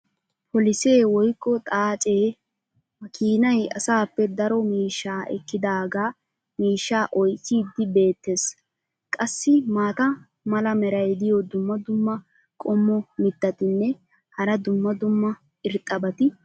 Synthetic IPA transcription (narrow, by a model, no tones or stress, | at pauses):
pɔlɪse̞ːwɔjkːɔt̪ʼaːt͡ʃʼe̞ː | mɐkiːnɐjɐ̰saːpːɛd̪ɐɾɔmiːʃːaːʔɛ̰kːɪd̪aːɡaː | miːʃːaːʔɔjt͡sːiːd̪ːɪbe̞ːt̪ːe̞ːs | kʼɐsːɪmaːt̪ɐ | mɐlɐmɛɾɐjd̪ɪjɔd̪ʊmːɐd̪ʊmːɐ | kʼɔmːɔmɪt̪ːɐt̪ɪnːɛ | hɐɾɐd̪ʊmːɐd̪ʊmːɐ | ɪɾt̪ʼɐbɐt̪ɪ